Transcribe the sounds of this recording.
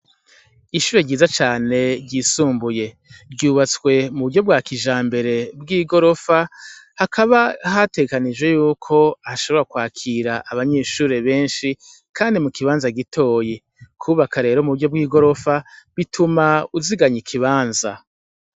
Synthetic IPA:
iʃuːɾe̞ɟiːzat͡ʃaːne̞ɾɟisuːmbuje̞ | bɟuːβat͡swe̞muβuɾɟo̞b̚ɡwaːkiʒaːmbe̞ɾe̞bɡiːɡo̞ɾo̞fahakʰaβahate̞ɡekanid͡ʒwe̞juːkʰo̞aʃo̞βo̞ɾakwaːkʰiːɾaʔaβaɲe̞ːʃuːɾe̞βe̞ːnʃi | kʰaːndimukiβaːnzaɡitʰo̞ːji | kʰuβakaɾe̞ːɾo̞muβuɾɟo̞b̚ɡiːɡo̞ɾo̞faβitʰumauziɡaɲikʰiβaːnza

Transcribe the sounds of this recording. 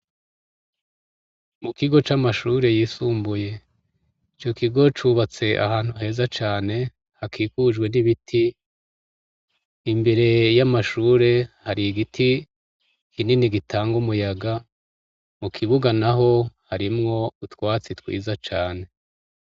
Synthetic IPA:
mukiɡo̞t͡ʃamaʃuːɾe̞jiːsuːmbuje̞ | it͡ʃo̞kiɡo̞t͡ʃuβat͡se̞ʔa̰haːn̥huɦe̞ːzat͡ʃaːne̞ | hakʰiːkud͡ʒɡwe̞niβitʰi | mbe̞ɾe̞jamaʃuːɾe̞haɾiɡitʰi | kʰininiɡitʰaːŋɡumujaɡa | mukʰiβuɡanaɦo̞haɾimŋo̞utwaːt͡sitwḭːzat͡ʃaːne̞

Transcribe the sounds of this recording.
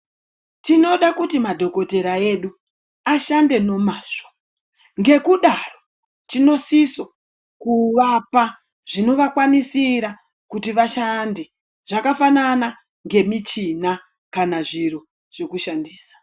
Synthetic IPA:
tino̞ɗakutimadʱo̞ko̞te̞ɾae̞ɗu | aʃande̞no̞maːʐo̥ | ŋɡe̞kuɗaro | tino̞siso̞ | kuʋapa | ʐ̥ino̞ʋakwanisiɾa | kutiʋaʃandi | ʐ̥akafanana | ŋɡe̞mit͡ʃina | kanaʐiro̞ | ʐ̥e̞kuʃandiːsḁ

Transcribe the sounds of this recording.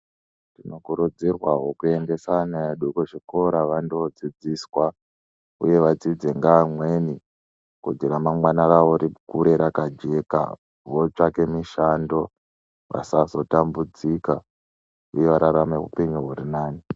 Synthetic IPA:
tino̞kuɾud͡zirwaɦo̞kue̞ŋɡe̞sanaeɗukoʐiko̞ɾaʋandod͡zid͡ziswa | ṵje̞ʋad͡zid͡zeŋɡamwe̞ni | kud͡ʒiramamwanaraʋo̞ɾikuɾe̞ɾakad͡ʒe̞ka̰ | ʋo̞t͡ʂake̞miʃando̞ | ʋa̰sazo̞tambud͡zika | uje̞ʋaɾaɾameɦṵpeɲuɦurinaːni

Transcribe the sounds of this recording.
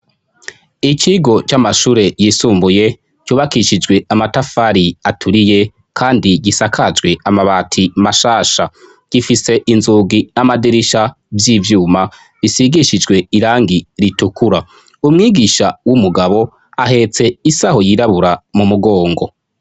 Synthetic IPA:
it͡ʃiɡo̞t͡ʃamaʃuːɾe̞jisuːmbuje̞ | cuːβakiʃid͡ʒɡwe̞amatafaɾiatʰuɾije̞ | kʰaːndiɡisakʰad͡ʒɡwe̞amaβatʰimaʃaːʃa | ɡ̥ifise̞ʔinzuːɡinamadiɾiʃa | vjiːvjuːma | isiɡiʃid͡ʒɡwe̞iɾaːŋɡiɾitukuɾa | umŋiːɡiʃawumuɡaβo̞ | aɦe̞t͡se̞isaho̞jiɾaβuɾamumuɡo̞ːŋɡo̞

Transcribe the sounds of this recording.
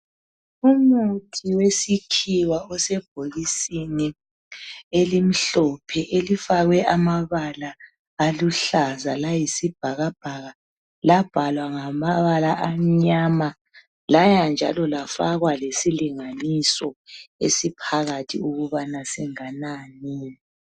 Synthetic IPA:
umutʰiwesikʰiwaɔsɛb̥ʱolisini | elim̩ɬɔpʰɛʔelifaɣwɛʔamaβalaː | luɬazalajisib̥ʱaɣab̥ʱaɣa | lab̥ʱalwaŋamaβalaʔam̩ɲama | lajand͡ʒʱa̰lɔlafaɣwalesiliŋanisɔḛsipʰaɣatʰḭuɣuβanasiŋananiːlɛ

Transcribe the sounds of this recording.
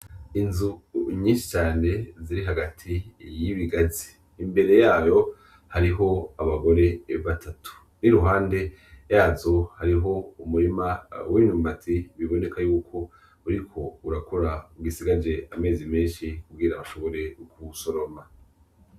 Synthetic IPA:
inzuɲiːnʃi̥t͡ʃaːne̞ziɾiɦaɡatʰijiβiɡazi̥ː | mbe̞ɾe̞jaːjo̞ | haɾiɦo̞aβaɡo̞ɾe̞βatʰatʰu̥ | niɾuɦaːnde̞ | jaːzo̞haɾiɦo̞umuɾimawinuːmbatʰiβiβo̞ne̞kajuːkʰo̞ | uɾikʰo̞uɾakoɾauɡisiɡad͡ʒe̞ame̞ːzimeːnʃikub̚ɡiːɾaβaʃo̞βo̞ɾe̞ɡuso̞ɾo̞ma

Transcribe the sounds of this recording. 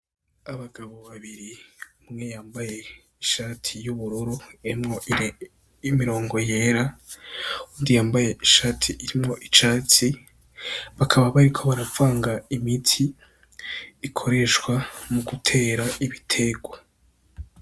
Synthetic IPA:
aβaɡaβo̞βaβiɾiumŋe̞jaːmbaje̞ | iʃaːtʰijuβuɾuɾuiɾimŋo | imiɾo̞ːŋɡo̞je̞ɾa | uːndijaːmbaje̞iʃaːtʰiʔːɾimŋo̞ʔit͡ʃaːtʰi | βakʰaβaβaɾikʰo̞βaɾavaːŋɡaimitʰi | kʰo̞ɾe̞ʃwamuɡutʰe̞ːɾaiβitʰe̞ɡwa

